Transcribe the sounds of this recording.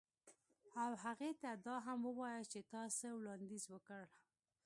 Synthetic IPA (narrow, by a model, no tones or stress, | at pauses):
awɦaɣet̪ad̪ɑɦamwəwɑjət͡ʃet̪ɑsewɽɑnd̪izwəkəɽ